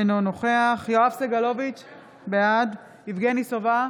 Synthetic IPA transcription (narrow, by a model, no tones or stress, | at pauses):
nonoχeaχjoafseɡalo̞vit͡ʃ | bejad | ivɡenisova